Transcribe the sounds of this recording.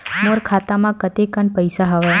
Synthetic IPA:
moɾkʰat̪amãkət̪ekəɳpəjsaɦəʋa

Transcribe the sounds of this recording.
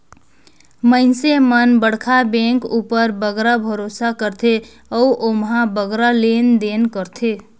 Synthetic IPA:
məɪnsemənbəɽkʰabẽŋkupəɾbəɡɾabʱəɾosakəɾt̪ʰe | əuʔomɦãbəɡɾalend̪enkəɾt̪ʰe

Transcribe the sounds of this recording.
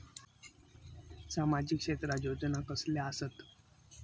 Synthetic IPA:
samad͡ʑikʂet̪ɾajod͡ʑnakəsljaasət̪

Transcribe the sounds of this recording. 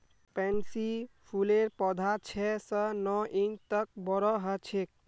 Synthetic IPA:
pɛnsipʰuleɾpɔd̪ʱat͡ʃʰɛsənɔʔint̪ək̚bɔɾɔɦət͡ʃʰek̚

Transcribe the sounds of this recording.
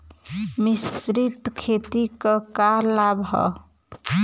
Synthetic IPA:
misɾit̪kʰet̪ikakaɾlabɦɔ̰

